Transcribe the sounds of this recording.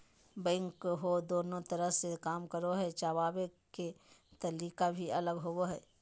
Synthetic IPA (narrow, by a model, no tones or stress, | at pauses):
bɛ̃ːŋkɦod̪oːnõt̪əɾəɦsekaːmkəɾoɦɛt͡ʃaːwaːbeket̪ɐliːkabʱiɐləɡɦooɦɛː